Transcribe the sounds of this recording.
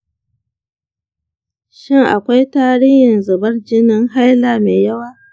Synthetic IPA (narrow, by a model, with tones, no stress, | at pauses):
ʃɪ˦ŋʔa̰˨kʷa˦jtaː˦ɾi˦hɪ˨nzɐ˨bɐ˦rd͡ʒɪ˦nɪ˦ŋɦa˦jlaː˨meː˨jɐ˦waː˦